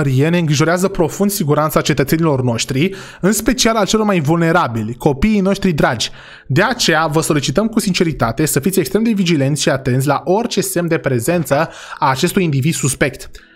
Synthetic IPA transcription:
əɾie̞ne̞ɨŋɡɾiʒo̞ɾeazəpɾo̞fund̪siɡuɾant̪sat͡ʃe̞t̪ət̪se̞nilo̞rno̞ʃt̪ɾi | ɨnspe̞t͡ʃialalt͡ʃelo̞rmajvulne̞ɾabilʲko̞piːjno̞ʃt̪ɾid̪ɾad͡ʒʲ | d̪eat͡ʃe̞javəso̞lit͡ʃit̪əmkusint͡ʃe̞ɾit̪at̪e̞səfit̪sʲekst̪ɾe̞md̪evid͡ʒile̞nt̪ʃiat̪e̞nt̪s̬ʲlaʔo̞rt͡ʃe̞se̞md̪e̞pɾe̞ze̞nt̪sə | aːt͡ʃe̞st̪ujind̪ivid̪̥suspe̞k̚t̪

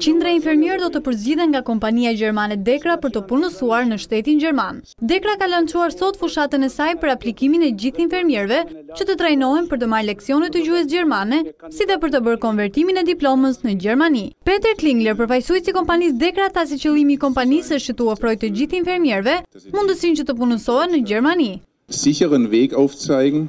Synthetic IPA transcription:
t͡ɕind̪ɾainfɛɾmjɛɾd̪ɔt̪əpəɾzd͡ʑiðɛŋɡakɔmpaniad͡ʑɛɾmanɛd̪ɛkɾapəɾt̪əpunəsuaɾnəʃt̪ɛt̪ind͡ʑɛɾman | d̪ɛkɾakalənt͡ʃuaɾsɔt̪fuʃat̪ənɛsajpəɾaplikiminɛd͡ʑiθinfɛɾmjɛɾvɛt͡ʃət̪ət̪ɾajnɔɛnpəɾt̪əmaɾlɛksiɔnət̪ːəd͡ʑuɛs̬ɟɛɾmanɛsiðɛpəɾt̪əbəɾkɔnvɛɾt̪iminɛd̪iplɔməsnəd͡ʑɛɾmanipɛt̪ɛɾkliŋɡlɛɾpəɾfajsujsikɔmpanis̬d̪ɛkɾaθas̬it͡ɕəlˠimiːkɔmpanisəʃt͡ʃət̪uɛfɾɔjt̪əd͡ʑiθinfɛɾmjɛɾvɛmund̪əsint͡ʃət̪əp̬unəsɔɛnːəd͡ʑɛɾmani | ziçəʁənvɛːkawft͡sajɡŋ̩

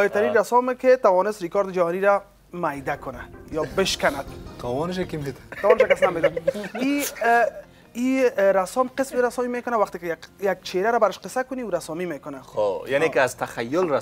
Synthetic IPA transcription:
ɔjɪɾt̪aɾinɾasɔmɪkɪt̪awɔnɪst̪ɾikɔɾd̪ɪd͡ʒahɔniɾa | majd̪akʊnajɔbɪʃkanad̪t̪ʰawɔnɪʃ̬akimet̪ʰḁt̪awɔnɪʃakasnamet̪ai | iɾasɔmqɪsmɾasɔmimekʊnawaxt̪ɪkɪajak̚t͡ʃʰeɾaɾabaɾɪʃqɪsakʊniuɾasɔmimekʊnaojanekɪazt̪axajːʊlɾa

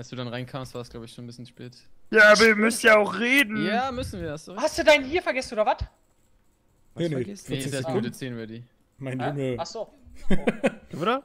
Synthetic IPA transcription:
ʔalsd̥uːdanʁaɪnkʰaːmstv̥aːɐsɡ̥laʊbəɪçʃoːn̩bɪsçnʃpɛːtjaːaːbɐiɐmʏstjaːaʊxʁeːdn̩jaːmʏsn̩viːɐasohastd̥uːdaɪnhiːɐfɛɐɡɛsn̩oːdɐvat | nenenɛsət͡seːnvɐdiː | maɪndʊnəaso | d̥uoːɾɐ

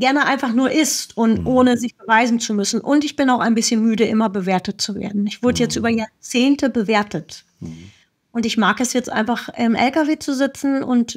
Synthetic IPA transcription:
ɡ̥ɛɐnəʔaɪnfaχnuːɐʔɪstʔʊntʔoːnəzɪçb̥əvaɪzn̩t͡sumʏsn̩ʔʊntɪçb̥ɪnaʊxaɪnbɪsçənmyːdəʔɪmɐbəveːɐtət̚t͡suvḛːɐdn̩ɪçv̥ʊɐdəjɛt͡stʔyːbɐjaːɐt͡seːntəbəveːɐtʰət | ʔʊntɪçmaːkɛsjɛt͡stʔa̰ɪnfaχʔɛmʔɛ̰lkaveːt͡suzɪt͡sn̩ʔʊ̰nt

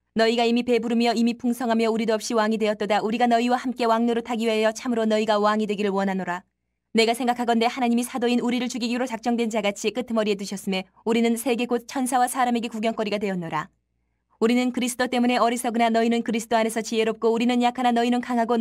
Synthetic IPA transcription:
nʌiɡaimipe̞buɾɯmjʌimipʰuŋsʰʌŋɦamjʌuɾidoʌp̚ɕ͈iwaŋidwe̞ʌt͈̚ʌdaʔuɾiɡanʌiwahamk͈e̞waŋnoɾotaɡiwajʌt͡ɕʰamɯɾonʌiɡawaŋidwe̞ɡiɾɯɭwʌnɦanoɾa | ne̞ɡasʰe̞ŋɡakʰaɡʌnde̞hanaɲimisʰadoinuɾiɾɯɭt͡ɕuɡiɡiɾot͡ɕak̚t͡ɕ͈ʌŋdwe̞nd͡ʑaɡat͡ɕʰik͈ɯtʰɯmʌɾie̞t̬uɕʰʌs͈ɯmje | uɾinɯnsʰe̞ɡe̞ɡot̚t͡ɕʰʌnsʰawasʰaɾame̞ɡe̞kuɡjʌŋk͈ʌɾiɡadwe̞ʌnːʌɾa | uɾinɯnkɯɾisʰɯ̥t͈ot͈e̞mune̞ʌɾisʰʌɡɯnanʌinɯnkɯɾisʰɯ̥t͈oane̞sʰʌt͡ɕie̞ɾop̚k͈ouɾinɯnjakʰananʌinɯnkaŋɦaɡo

